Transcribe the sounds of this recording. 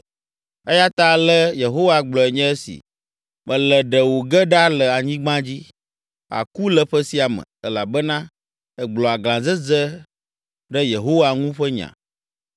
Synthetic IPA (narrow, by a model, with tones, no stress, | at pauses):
e˦ja˦t̪a˦lɛ˦je˨ɦo˦wa˦ɡ͡blɔ˨ɛ˨ɲɛ̃˦ɛ˦sḭ˨ | mʔɛ̃˨lɛ˨ɖə˨wo˨ɡɛ˦ɖa˦lɛ˨a˨ɲĩ˦ɡ͡bã˦d͡ʑi˦ | a̰˨ku˦lɛ˦ɸɛ˦si˦a˨mɛ̰̃˨ɛ˦la˨bɛ˦nã˦ | ɛ˨ɡ͡blɔ˨a˨ɡlã˨zɛ˦zɛ˦ | ɖɛ˦je˨ɦo˦wa˨ŋũ˦ɸɛ˦ɲã̰˨